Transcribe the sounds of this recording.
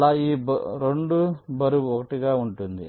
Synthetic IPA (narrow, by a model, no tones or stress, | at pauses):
aiːbɾoɳɖubɐɾuɔkɐʈiɡɐuɳʈund̪ḭ